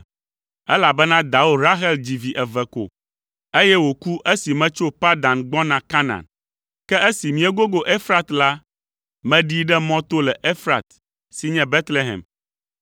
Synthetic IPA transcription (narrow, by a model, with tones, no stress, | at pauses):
ɛ˦la˨bɛ˦nã˦d̪a˨wo˦˨ɾa˦ɦɛ˦ld͡ʑi˨vi˨ʔɛ˨vɛ˨ko̰˨ | e˦jɛ˦wo˨ku˦ʔe˦si˨mɛ̃˦t͡ʃo˦pa˦d̪ã˨nɡ͡bɔ̃˦nã˨ka˦nã̰˨n | kɛ˦e˦si˨mĩ˨ɛ˦ɡo˦ɡo˦ʔe˦fɾa˨t̪la˦ | mɛ̃˦ɖi˦ɖɛ˦mɔ̃˦t̪o˦lɛ˨ʔe˦fɾa˨t̪ | si˨ɲɛ̃˦bɛ˦t̪le˦ɦɛ̰̃˨m